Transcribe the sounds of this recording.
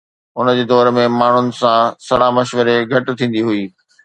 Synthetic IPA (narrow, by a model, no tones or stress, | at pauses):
ʊnd͡ʑeːd̪ɔːɾmẽmaːɳ̤ʊnɪ̆sãsɐɽamɐʃʋəɾeɡʱɐʈɪ̆t̪ʰĩːn̆d̪iɦuiː